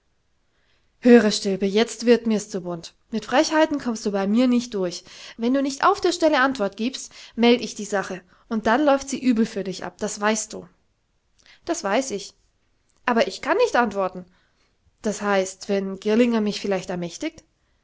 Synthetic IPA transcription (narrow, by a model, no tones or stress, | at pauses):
høːʁəʃtɪlbəjɛt͡stv̥ɪɐtmiːɐst͡subʊnt | mɪtfʁ̥ɛçhaɪtn̩kʰɔmstd̥uːbaɪmiːɐnɪçt̚d̥ʊɐçvɛnduːnɪçtʔa̰ʊfd̥eːɐʃtɛləʔantv̥ɔɐtɡ̥iːpstmɛldəɪçd̥iːzaχə | ʔʊnt̚d̥anlɔʏftz̥iːʔyːbl̩fyːɐdɪçʔa̰p̚d̥asv̥aɪst̚d̥ṵː | d̥asv̥aɪsɪç | ʔaːbɐʔɪçkʰanːɪçtʔantv̥ɔɐtn̩ | d̥ashaɪstv̥ɛnɡɪɐlɪŋɐmɪçfɪlaɪçtɛɐmɛçtɪk̚t